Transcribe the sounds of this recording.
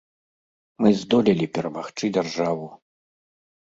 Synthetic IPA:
mɨzd̪ɔlʲilʲipʲɛɾɐmaxt͡ʂɨd͡zʲarʐavu

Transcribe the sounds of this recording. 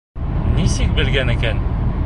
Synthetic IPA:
nisɘk̚bĭlɡænĭkæn

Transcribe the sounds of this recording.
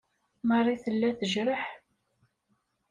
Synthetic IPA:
mərˤːiθəlːæθəʒɾəħ

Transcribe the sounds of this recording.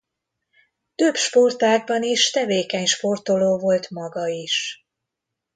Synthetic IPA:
t̪øbʃpo̞rt̪aːɡ̚bɒniʃt̪ɛveːkɛɲʃpo̞rt̪o̞loːvo̞lt̪mɒɡɒiʃ

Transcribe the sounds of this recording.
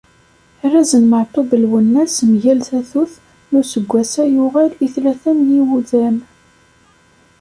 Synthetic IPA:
rːæzənməʕt̪ˤobəlwənːæsmʝælθæθuθ | nʊsəɡʷːæsæjʊʁæliθlæθænjiwuðæm

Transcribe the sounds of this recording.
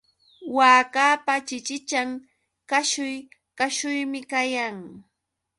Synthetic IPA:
waːkaːpat͡ʃɪt͡ʃɪt͡ʃaŋ | kaʃʊjkaʃʊjmɪkajaŋ

